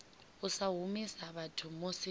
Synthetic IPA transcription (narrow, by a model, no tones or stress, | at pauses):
ʊsaɦumisaβatʰʊmosɪ